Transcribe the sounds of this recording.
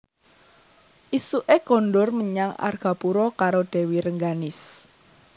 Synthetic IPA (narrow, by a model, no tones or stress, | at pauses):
ʔisuʔeɡ̥ɔ̤nɖʊrməɲaŋa̰rɡ̥a̤puɾɔkaɾoɖ̥e̤wiɾəŋɡanɪs